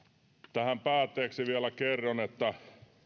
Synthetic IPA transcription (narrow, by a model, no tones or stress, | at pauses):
t̪æhæmpæːt̪ːeːksiʋiælækerːonet̪ːæ